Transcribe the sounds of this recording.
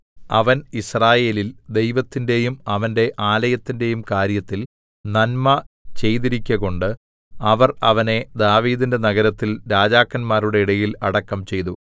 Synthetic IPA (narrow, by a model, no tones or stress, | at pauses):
ɐ̰ʋɐnisraːje̞ːlild̪e̞jʋɐt̪ːinde̞jumɐʋɐnde̞ʔaːlɐjɐt̪ːinde̞jumkaːɾjɐt̪ːil | nɐnmɐt͡ɕe̞jt̪iɾikʲːɐɣo̞ɳɖɨ | ɐʋɐrɐʋɐne̞d̪aːʋiːðinde̞nɐɣɐɾɐt̪ːilɾaːd͡ʑaːkːɐnmaːɾuɽe̞iɽɐjilɐɽɐkːɐmt͡ɕe̞jt̪u